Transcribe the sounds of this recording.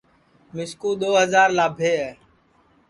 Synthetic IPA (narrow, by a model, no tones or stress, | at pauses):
mɪskuːɗ̪oːɦəzaːɾlaːbʱeːɦɛː